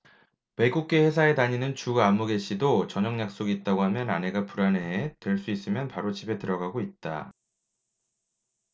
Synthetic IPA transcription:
me̞ɡuk̚k͈e̞he̞sʰae̞taɲinɯnt͡ɕuɡaːmːuɡe̞ɕ͈ʰidot͡ɕʌɲʌŋɲak̚s͈oɡiːt̚t͈aɡoɦamjʌnane̞ɡapuɾanetwe̞ɭs͈uis͈ɯmjʌnpaɾot͡ɕibe̞tɯɾʌɡaɡoit̚t͈a̰

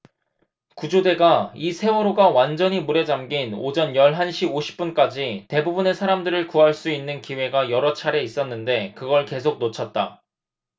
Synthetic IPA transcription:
kud͡ʑode̞ɡaisʰe̞oɾoɡawand͡ʑʌɲimuɾe̞d͡ʑamɡino̰d͡ʑʌnjʌɭɦanɕʰiboɕʰi̥p͈̚unk͈ad͡ʑite̞bubune̞sʰaɾamdɯɾɯɭkuɦaɭs͈uinːɯnkiwe̞ɡajʌɾʌt͡ɕʰaɾe̞is͈ʌnːɯnde̞kɯɡʌɭke̞s̬ʰok̚not͡ɕʰʌt̚t͈a

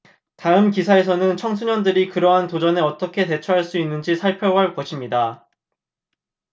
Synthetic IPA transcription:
taɯmkisʰae̞s̬ʰʌnɯnt͡ɕʰʌŋsʰuɲʌndɯɾikɯɾʌɦantod͡ʑʌne̞ʌt͈ʌkʰe̞te̞t͡ɕʰuɦaɭs͈uinːɯnd͡ʑisʰaɭpʰjʌwʌɭpoɕʰimɲida

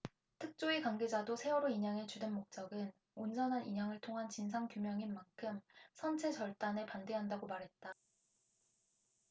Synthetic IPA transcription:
tʰɯk̚t͡ɕ͈oikaŋɡe̞d͡ʑadosʰe̞wʌɾoiɲaŋe̞t͡ɕudenmok̚t͡ɕ͈ʌɡɯn | ond͡ʑʌnɦanʔiɲɦaŋɯɭtʰoŋɦant͡ɕinsʰaŋkjumjʌŋinmaŋkʰɯmsʰʌnt͡ɕʰe̞t͡ɕʌɭt͈ane̞pande̞ɦandaɡomaɾɦe̞t̚t͈a

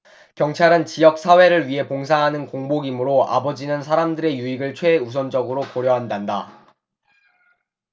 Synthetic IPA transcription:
kjʌŋt͡ɕʰaɾɯnt͡ɕijʌk̚s͈ʰawe̞ɾɯɭɥiɦe̞poŋs̬ʰaɦanɯnkoŋboɡimɯɾoa̰bʌd͡ʑinɯnsʰaɾamdɯɾe̞juiɡɯɭt͡ɕʰwe̞us̬ʰʌnd͡ʑʌɡɯɾokoɾjʌɦandanda

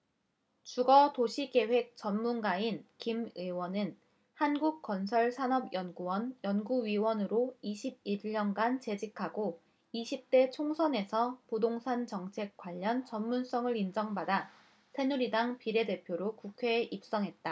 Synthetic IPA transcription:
t͡ɕuɡʌtoɕʰike̞ɸwe̞k̚t͡ɕ͈ʌnmunɡainkimewʌnɯn | hanɡuk̚k͈ʌnsʰʌɭsʰanʌbjʌnɡuwʌnjʌnɡuɥiwʌnɯɾoiɕʰib̚iːʌnɡant͡ɕe̞d͡ʑikʰaɡo | iɕʰip̚t͈e̞t͡ɕʰoŋsʰʌne̞sʰʌpodoŋsʰant͡ɕʌŋt͡ɕʰe̞k̚k͈waʎːʌnt͡ɕʌnmuns͈ʌŋɯɾind͡ʑʌŋbada | tʰe̞nuɾidaŋpiɾe̞de̞pʰjoɾokukʰwe̞ːʔip̚s͈ʌŋɦe̞t̚t͈a

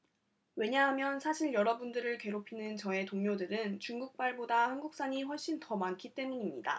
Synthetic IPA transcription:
we̞ɲaɦamjʌnsʰaɕʰiɭjʌɾʌbundɯɾɯɭke̞ɾopʰinɯnt͡ɕʌe̞toŋɲodɯɾɯnt͡ɕuŋɡuk̚p͈aɭbodahanɡuk̚s͈aɲiɸwʌɭɕ͈intʌmankʰit͈e̞muɲimɲida̰

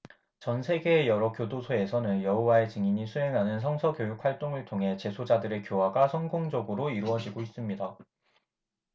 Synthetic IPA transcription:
t͡ɕʌnsʰe̞ɡe̞ːjʌɾʌkjodosʰoe̞sʰʌnɯnjʌɦowae̞t͡ɕiŋiɲisʰuɦe̞ŋɦanɯns̬ʰʌŋsʰʌkjojuk̚ʰwaɭt͈oŋɯɭtʰoŋɦe̞t͡ɕe̞sʰod͡ʑadɯɾe̞kjowaɡasʰʌŋɡoŋd͡ʑʌɡɯɾoiɾuʌd͡ʑiɡois͈ɯmɲida

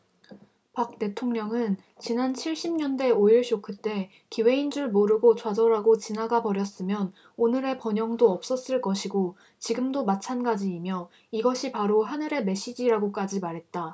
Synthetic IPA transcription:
pak̚t͈e̞tʰoŋɲʌŋɯn | t͡ɕinant͡ɕʰiɭɕ͈imɲʌnde̞oiɭɕ͈okʰɯt͈e̞ | kiwe̞ind͡ʑuɭmoɾɯɡot͡ɕwad͡ʑʌɾaɡot͡ɕinaɡapʌɾjʌs͈ɯmjʌn | onɯɾe̞pʌɲʌŋdoʌp̚s͈ʌs͈ɯɭk͈ʌɕʰiɡo | t͡ɕiɡɯmdomat͡ɕʰanɡad͡ʑiːmjʌ | iɡʌɕʰipaɾoɦanɯɾe̞me̞ɕ͈id͡ʑiɾaɡok͈ad͡ʑimaɾɦe̞t̚t͈a

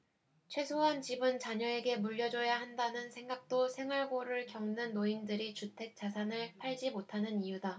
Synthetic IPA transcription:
t͡ɕʰwe̞sʰoɦant͡ɕibɯnt͡ɕaɲʌe̞ɡe̞muʎːʌd͡ʑʌjaɦandanɯnsʰe̞ŋɡak̚t͈osʰe̞ŋɦwaɭɡoɾɯɭkjʌŋnɯnːoindɯɾit͡ɕutʰe̞k̚t͡ɕ͈as̬ʰanɯɭpʰaɭd͡ʑimotʰanɯnijuda

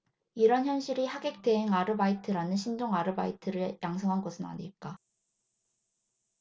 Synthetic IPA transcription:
iɾʌnçjʌnɕʰiɾihaɡe̞k̚t͈e̞ɦeŋaɾɯbaitʰɯɾanɯnɕʰindoŋaɾɯbaitʰɯɾɯɭjʔaŋs̬ʰʌŋɦanɡʌsʰɯna̰ɲiɭk͈a

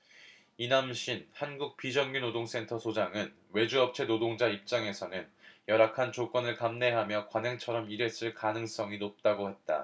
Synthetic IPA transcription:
inamɕʰinhanɡuk̚p͈id͡ʑʌŋɡinodoŋs͈e̞ntʰʌsʰod͡ʑaŋɯn | we̞d͡ʑuʌp̚t͡ɕʰe̞nodoŋd͡ʑaip̚t͡ɕ͈aŋe̞sʰʌnɯnjʌɾakʰant͡ɕok͈ʌnɯɭkamne̞ɦamjʌkwanaŋt͡ɕʰʌɾʌmiɾes͈ɯɭkanɯŋs͈ʌŋinop̚t͈aɡohe̞t̚t͈a̰

